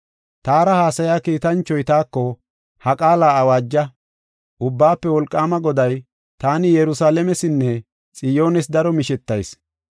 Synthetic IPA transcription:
t̪aːɾɐhaːsɐjaːkiːt̪ɐnt͡ʃːɔjt̪aːkːɔ | hɐkʼaːlaːɐwaːd͡ʒːɐ | ʔʊbːaːpːɛwɔlkʼːaːmɐɡɔd̪ɐj | t̪aːnɪjɛɾʊsaːlɛmɛsɪnːɛ | t͡sʼɪjo̞ːnɛs̬d̪ɐɾɔmɪʃɛt̪ːɐjs

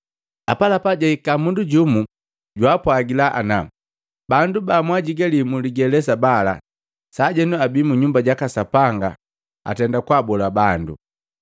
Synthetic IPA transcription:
a̰palapaɟaikamunduɟumu | ɟwapwaɡilaʔa̰na | bandubamwaɟiɡalimuliɡɛlɛsabala̰ | saɟɛnuabimuɲumbaɟakasapaŋɡa̰ | a̰tɛndakwabɔlabandṵ

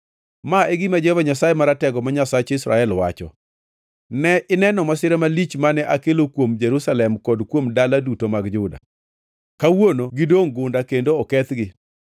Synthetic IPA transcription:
maʔeɡimad͡ʒvaɲasaemaɾatɛɡɔmaɲasat͡ʃɪsɾa̰ɛlwat͡ʃɔ̰ | nɛʔɪnɛnɔmasɪɾɛmalit͡ʃmanɛʔakelokwomd͡ʒeɾusalɛmkɔdkwomdaladutomaɡd͡ʒʊda̰ | kawonoɡɪdoŋɡʊndakendoɔkɛt̪ɡɪ

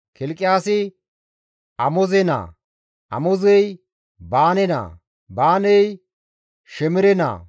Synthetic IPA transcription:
kɪlkʼːɪjaːsɪ | ɐmɔzɛna̰ː | ʔɐ̰mɔzɛj | baːnɛna̰ː | baːnɛj | ʃɛmɪɾɛna̰ː

